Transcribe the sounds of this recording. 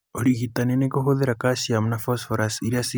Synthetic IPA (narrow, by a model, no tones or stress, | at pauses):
ɔɾiɣit̪anenekɔɦoðɛɾakasiamnafɔsfɔɾasiɾiasi